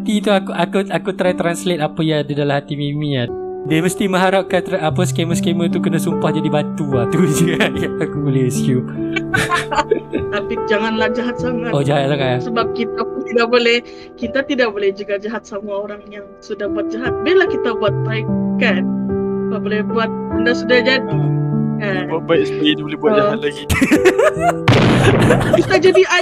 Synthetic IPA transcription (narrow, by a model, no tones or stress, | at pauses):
t̪it̪uakuʔakuakut̪ɾajt̪ɾanslet̪̚apəjadidalamhat̪imimĩa | dəməst̪imə̃ɦaɾap̚kat̪ɾaʔapəskeməskemət̪ukənasumpahd͡ʒadibat̪uat̪ud͡ʒajaakubolɛsu | t̪apid͡ʒaŋanlahd͡ʒaɦat̪̚saŋatod͡ʒaɦat̪̚saŋasəbap̚kit̪apunt̪idaʔbolɛh | kit̪at̪idak̚bolɛhd͡ʒuɡad͡ʒaɦat̪̚samuaoɾaŋjaŋsudahbuat̪̚d͡ʒaɦat̪̚bilakit̪abuat̪̚paik̚kanbaʔbolɛhbuat̪̚əndaʔsudahd͡ʒadiabajspiinibolɛbuat̚d͡ʒaat̪̚laɡi | kit̪ad͡ʒadia